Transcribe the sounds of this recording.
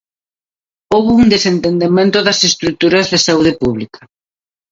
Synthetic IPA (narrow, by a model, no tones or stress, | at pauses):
owβouŋd̪esent̪end̪emẽnt̪ʊðɐsest̪ɾut̪uɾɐzðɪsauð̞epuβlikʰɐ